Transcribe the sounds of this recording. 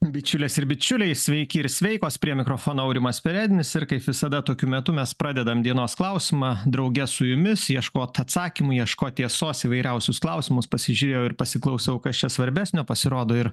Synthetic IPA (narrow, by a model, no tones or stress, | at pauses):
bʲɪt͡ʃʲʊlʲɛːsɪɾbʲɪt͡ʃʲʊlʲɛɪsʲʋʲɛɪkʲɪɪɾsʲʋʲɛɪkoːspʲɾʲiɛmʲɪkɾoːfoːnoːɐʊɾʲɪmɐsʲpʲɛɾʲæːd̪ʲɪnʲɪsɪɾkɐɪpʋʲɪsɐd̪ɐt̪oːkʲuːmʲɛt̪ʊmʲɛspɾɑːd̪ʲɛd̪ɐmd̪ʲiɛnoːsklˠɐʊsʲɪmɑd̪ɾɐʊɡʲɛsʊjʊmʲɪsjiɛʃkoːt̪ɐt̪sɑːkʲimʊjiɛʃkoːt̪ʲtʲiɛsoːsiːʋɐɪɾʲɛʊsʲʊsklˠɐʊsʲɪmʊspɐsʲɪʒʲuːɾʲeːjoɪɾpɐsʲɪklˠɐʊsʲɛʊkɐst͡ʃʲɛsʋɐɾʲbʲæːsʲnʲoːpɐsʲɪɾoːd̪oːɪɾ